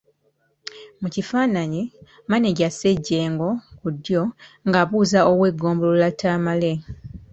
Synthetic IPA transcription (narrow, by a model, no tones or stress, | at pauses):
mucifaːnaɲi | maneɟaseɟːe̞ːŋɡo̞kudjo̞ŋɡaβuːzaoβweːɡo̞ːmbololatʰːaːmale